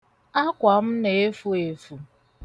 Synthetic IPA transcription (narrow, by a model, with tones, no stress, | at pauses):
a˦kʷa˨m̩˦ne˨e˦fu˦e˨fu˨